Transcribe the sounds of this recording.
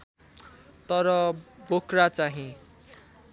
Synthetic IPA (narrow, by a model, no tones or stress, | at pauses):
t̪ʌɾʌbokrat͡saɦĩ